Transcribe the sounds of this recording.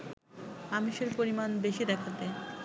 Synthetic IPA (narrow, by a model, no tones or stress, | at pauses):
amiʃeɾpoɾimanbeʃid̪ɛkʰat̪e